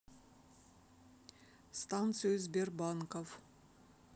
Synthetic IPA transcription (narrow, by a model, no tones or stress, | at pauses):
st̪ant̪sɨʏzberbɑŋkof